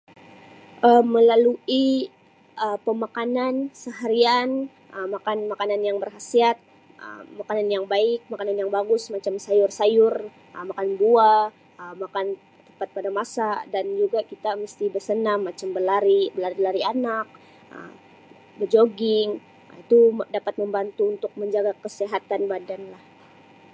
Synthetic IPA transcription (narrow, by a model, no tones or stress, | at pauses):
ʔəməlalui | ʔəpəmakanansəɦaɾian | ʔəmakanmakananjaŋbərɦasiat̪̚ | ə̰makananjaŋbaɪk̚makananjaŋbaɡʊsmat͡ʃamsajʊrsajʊr | əmakanbua | əmakan | t̪əpat̪̚padamasadand͡ʒuɡakit̪aməst̪ibərsənamːat͡ʃambəlaɾibəlaɾilaɾianak̚ | ə̰ | bərd͡ʒoɡɪŋ | it̪udapat̪̚məmbant̪uːnt̪ʊk̚məɲd͡ʒaɡakəseɦat̪anbadanlah